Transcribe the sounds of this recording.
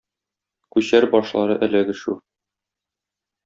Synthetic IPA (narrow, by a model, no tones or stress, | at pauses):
kʉɕæɾbɒʃlˠɑɾɤʔæ̆læɡɘ̆ʃu